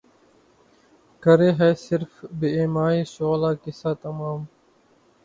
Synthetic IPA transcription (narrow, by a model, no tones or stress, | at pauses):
kəɾeːɦɛːsɪɾfbeeːmaːiːsoːlaːkɪsaːt̪əmaːm